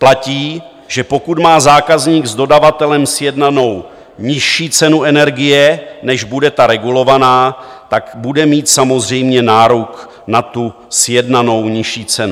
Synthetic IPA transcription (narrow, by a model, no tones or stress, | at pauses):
placiː | ʒ̥ɛpo̞kut̪maːzaːkazɲiːɡzdo̞davat̪ɛlɛmsjɛdnano̞w | ɲɪʃiːt͡sɛnuɛnɛɾɡɪjɛnɛʒbudɛt̪aɾɛɡulo̞vanaː | t̪akbudɛmiːt̪samo̞zr̝ɛjmɲɛnaːɾuk | nat̪u | sjɛdnano̞wɲɪʃiːt͡sɛnu